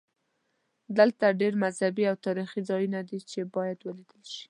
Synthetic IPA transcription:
d̪əlt̪aɖeɾmazhabiawt̪ɑɾixizɑjunad̪it͡ʃebɑjad̪wəlid̪əlʃi̥

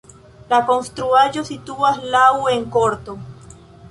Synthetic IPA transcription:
lako̞nst̪ɾuaʒo̞sit̪uaslawe̞ŋko̞ɾt̪o

